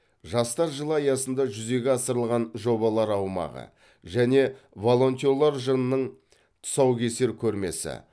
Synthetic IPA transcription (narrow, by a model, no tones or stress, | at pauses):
ʒɑst̪ɑɾʒəlˠəɑjɑsənd̪ɑʒʏze̞ɡʲeɑsəɾəlˠʁɑnʒo̞bɑlˠɑɾɑwmɑ̰ʁə̰ | ʒæne̞ | vo̞lˠo̞nt̪ʲio̞lˠɑɾʒənənəɴ | t̪ʰʊ̥sɑwkʲʰe̞se̞ɾkʲʰɵɾme̞̰sɪ̰